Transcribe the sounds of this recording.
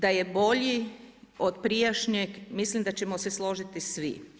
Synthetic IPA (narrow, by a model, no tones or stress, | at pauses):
d̪ajebo̞ʎiod̪pɾijaʃɲeɡmislimd̪at͡ɕemoseslo̞ʒit̪isʋḭ